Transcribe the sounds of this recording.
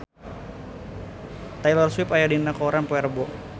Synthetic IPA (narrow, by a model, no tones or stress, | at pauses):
t̪ajlɔrswipajadinakɔɾanpɔɛrbɔ